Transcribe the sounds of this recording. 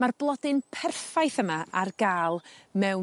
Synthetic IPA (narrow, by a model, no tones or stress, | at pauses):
marblˠɔdɪnpʰɛrfajθəmaʔarɡ̥aːlˠmɛw